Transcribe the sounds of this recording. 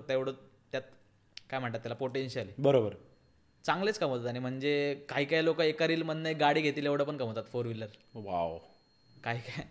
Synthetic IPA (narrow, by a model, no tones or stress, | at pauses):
t̪eʋɽət̪jat̪̚ | kajm̤əɳʈt̪at̪ːjalapoʈenɕəlibəɾobəɾ | t͡saŋɡlet͡skəmot̪at̪añim̤əɳd͡zekaɦiːkajlokəekəɾiːlmənːəjɡaɽiːɡʱet̪iːleʋɽ̤əp̬əɳkəmot̪at̪foɾʋilːəɾʋaw | kaɦiːka